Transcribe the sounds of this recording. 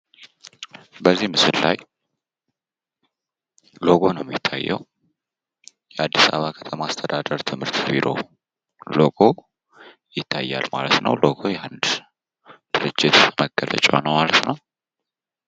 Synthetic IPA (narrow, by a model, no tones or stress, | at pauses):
bəzːimɨsɨllaj | lo̞ɡo̞nəwmjɪt̪ʰːajːɛw | jɛʔad̪ːisa̰βakʰə̥t̪ʰəmaːst̪ʰəd̪ad̪əɾt̪ʰɨmhɨɾt̪biɾʔo̞̰ | loɡo̞ | jɪt̪ʰːajːalmalət̪nə̰wlo̞ɡo̞jɛhand̪ | d̪̥ɨɾɨd͡ʒːɪt̪məɡ̥ələ̰t͡ʃʼonəwmalət̪nəw